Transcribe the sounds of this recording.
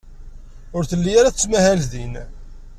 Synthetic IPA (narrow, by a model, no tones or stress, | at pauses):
ʊɾθəlːijaɾaθt͡sːmæhælðin